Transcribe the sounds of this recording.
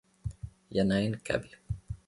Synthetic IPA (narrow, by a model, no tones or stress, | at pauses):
janajnkʰa̰bl